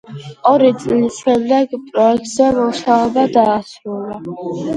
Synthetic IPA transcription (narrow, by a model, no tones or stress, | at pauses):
ɔɾit̪sʼlisʃɛmd̪ɛɡpʼɾɔɛk̚t̪ʼzɛmɔsaɔbad̪aːsɾula